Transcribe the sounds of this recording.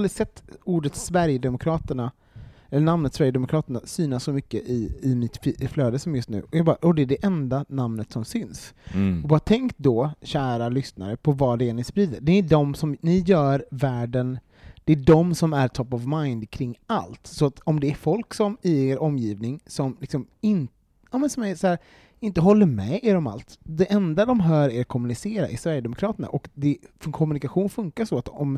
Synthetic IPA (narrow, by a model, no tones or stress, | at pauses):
lɾɪsɛt̪ːuːɖət̪svæɾjəd̪ɛmʊkʰɾɑːt̪əɳa | ɛlːəɳamnət̪svæɾjəd̪ɛmʊkʰɾɑːt̪əɳasyːnasːɔmʏkːəʔɪɪmɪt̪fflœːd̪əsɔmjɵst̪nʉ̟ːɔjɑɡbɑːɾaʔɔd̪ɛæɖɛʔɛnd̪anamnət̪sɔmsʏnsɔbɑːɾat̪ʰɛŋkt̪̚d̪ɔɕæːɾalʏsna̰ɾəpʰɔvaɖɛæɳɪspɾiːd̪əɖɛɪɖɔmsɔmnɪjœːɾvæːɖən | d̪̥ɛːɖɔmsɔmæɾt̪ʰɔpːɔvmajnd̪kʰɾɪŋːa̰lt̪sɔat̪ɔmd̪ɛæɾfɔlksɔmɪeːɾʔɔmːjiːvnɪŋsɔmlɪksɔmɪn | jaːmɛnsɔmæɾsæːɾ | ɪnt̪əɦɔlːəɾmɛeːɾɔma̰lt̪d̪ɛʔɛnd̪ad̪ɔmɦœːɾeɾakʰɔmːɵnɪseːɾa̰ʔɪsvæɾjəd̪ɛmʊkʰɾɑːt̪əɳa̰ʔɔkd̪ɛfœkʰɔmɵnɪkaɧuːnfɵŋkaʂɔat̪ɔm